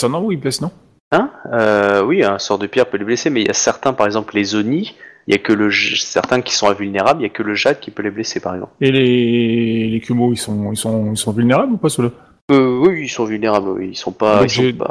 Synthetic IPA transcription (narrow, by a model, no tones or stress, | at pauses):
sɛnɑ̃uiblɛsnɔ̃ | ɛ̃øwiɛ̃sɔʁd̪əpjɛʁpøleblesemɛiljasɛʁt̪ɛ̃paʁɛɡzɑ̃pllezoniiljakələʒsɛ̰ʁt̪ɛ̃kʲi̥sɔ̃ɛ̃vylneʁabliljakələʒad̪̚kʲipøleblesepaʁɛɡzɑ̰̃pele | lekʲʰymoilsɔ̃ilsɔ̃ilsɔ̃vylneʁablupasula | pøwiːlsɔ̃vylneʁablwḭilsɔ̃pad̃isepa̰